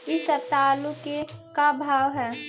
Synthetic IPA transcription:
ɪsət̪aːlũkekabʱaːʋɦɛː

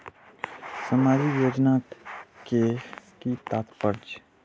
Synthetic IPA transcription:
səmaːd͡ʒijoːd͡ʒnaːt̪ke | kit̪aːt̪pəɾd͡ʒ

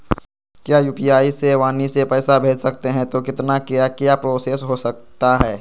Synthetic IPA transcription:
kjaːjuːpijaːiseʋaːnisepɛːsabʱeːd͡ʒsɐkt̪eɦɛ̃t̪okɪt̪nakjakjapɾoːseːsɦosɐk̚t̪aɦɛː

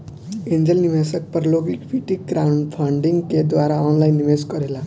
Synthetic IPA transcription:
end͡ʒəlnimasək̚pəɾloɡikpʰiʈikɡɾawɳɖpʰaɳɖiŋɡked̪waɾaɔnlajnːimeskʌɾela

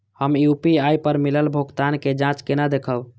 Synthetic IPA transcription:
həmiupiajpəɾmiləlbʱoɡt̪anked͡ʒãt͡ʃkenad̪ekʰəb

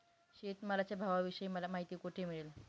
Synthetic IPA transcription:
ɕet̪məlat͡ɕabʱaʋaʋiɕəiməlamaɦit̪iːkoʈʰemiɭel

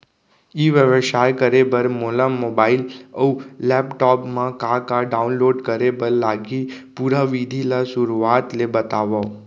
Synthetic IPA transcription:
iʋjəʋʃajkəɾebəɾmolamobailəuːɛpʈɔpmãkakaɖaunloɖkəɾebəllaɡipuɾaʋid̪ʱilasʊɾuat̪lebət̪aʋa

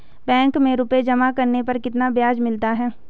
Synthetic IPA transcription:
bɛ̃ːŋkmẽɾʊped͡ʒɐmakɐɾnepɐɾkɪt̪nabjaːd͡ʒmɪlt̪aɦɛː

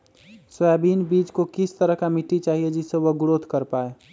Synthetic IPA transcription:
sabiːnbiːd͡ʒkokɪst̪əɾəɦkamiʈːit͡ʃaːɦied͡ʒɪseʋəɡʊɾod̪ʱkəɾpaːe

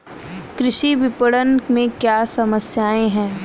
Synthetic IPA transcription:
kɾɪʃiʋɪpəɽənmẽkjaːsɐməsjaːẽɦɛ̃ː

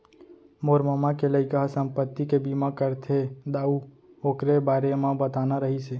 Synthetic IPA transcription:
moɾməmãkeləikəɦsə̃mpət̪ːikebimãkəɾt̪ʰed̪aːu | okɾebaːɾemãbət̪anaɾəɦise

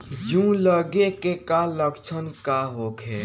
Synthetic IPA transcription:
d͡ʒũləɡekekaləɡt͡ʃʰənkaɦokʰe

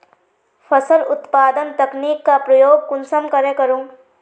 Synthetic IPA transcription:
pʰɐsəlʊt̪paːd̪ənt̪ɐkniːkːapɾɐjoːɡ̚kʊnsəmkɐɾekɐɾũː

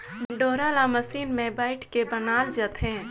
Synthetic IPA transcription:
ɖoːɾaːlaməsiːnmẽbaːɪʈʰkebənaːld͡ʒət̪ɦɛ̃ː

